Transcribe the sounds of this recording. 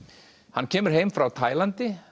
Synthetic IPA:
hanːcʰɛːmʏɾ̥ɦeːjmfɾawt̪ʰaːjlant̪ɪ

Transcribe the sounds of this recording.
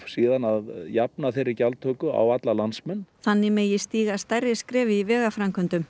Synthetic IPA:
siːðanaðjapnaθejɾːɪcalt̪ʰœːkʏa̰wat̪lalansmɛnːθanːɪmejɪst̪iːɣast̪ajɾɪskɾɛːvɪivɛːɣafɾamkʰʏnt̪ʏm

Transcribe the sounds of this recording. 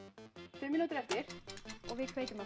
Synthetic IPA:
sʏːmɪnut̪ʏɾɛft̪ɪɾ̥ɔɣvɪðkʰveːjc̪ʏma

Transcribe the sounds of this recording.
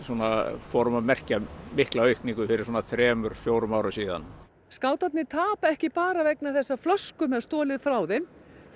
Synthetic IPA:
swɔːnafɔɾʏmamɛr̥camɪhklaœɥhkniŋkʏfɪɾɪɾ̥sɔːnaθɾɛːmʏɾ̥fjoːwɾʏmawɾʏsiːða̰n | skaːwt̪at̪nɪt̪ʰaːpaɛhcɪpaːɾavɛknaθɛsːaflœskʏmɛðst̪ɔːlɪðfɾawðɛm

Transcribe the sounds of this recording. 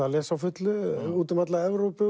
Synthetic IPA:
alɛːsawfʏt̪lʏuːt̪ɪmat̪laɛvɾowpɪ

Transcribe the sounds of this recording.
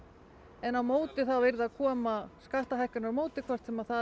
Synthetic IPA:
ɛnawmoːwt̪ɪθawvɪɾðakʰɔːmaskaht̪aɦajhkʏnaɾmoːwt̪ɪkʰvɛr̥t̪sɛmaðθa

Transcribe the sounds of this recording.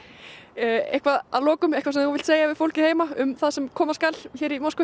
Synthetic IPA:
ḛhkvaða̰ðlɔːkʏmejhkvas̬ɛnhunvɪlt̪seːjavɪðfowl̥cɪheːjmaʏmθaðsɛmkʰɔːmaskalçɛːɾimɔskʏ

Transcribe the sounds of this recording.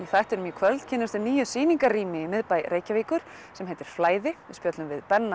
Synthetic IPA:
iθajht̪ɛɾʏmjʏkʰvœlt̪cʰɪnːʏɾst̪ɪɾniːjʏsiːniŋkaɾriːmɪmɪðpajɾʔeːjcaviːkʏɾ̥ | sɛmɦejt̪ɪɾ̥flaːjðɪɪðspjɔt̪lʏmvɪðpɛnːa

